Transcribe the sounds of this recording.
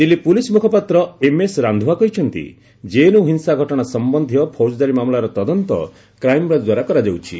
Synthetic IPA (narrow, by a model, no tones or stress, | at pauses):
d̪ilːipulismukʰɔpat̪ɾɔemesɾand̪ʱuakɔɦit͡ʃʰɔnt̪ḭ | d͡ʒenuɦinsaɡʱɔʈɔɽ̃asɔmbɔnd̪ʱijɔpʰoɾd͡ʒɔd̪aɾimamlaɾɔt̪ɔd̪ɔnt̪ɔ̰ | kɾajmɔbɾad͡ʒd̪waɾakɔɾad͡ʒawt͡ʃʰi